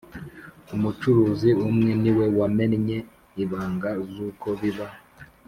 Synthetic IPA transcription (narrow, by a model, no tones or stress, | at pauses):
umut͡ʃuɾuːziumŋeniwe̞wamenɲe̞ | iβaːŋɡazuko̞βiβa